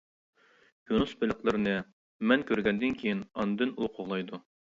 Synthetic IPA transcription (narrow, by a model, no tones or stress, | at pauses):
junusbɪlɪqlˠɨɾɪnɨ | mɛnkʲʰøɾɡʲɛnd̪ɪnkʲʰejinɑnɨd̪ynulqʰoʁlˠɑjd̪u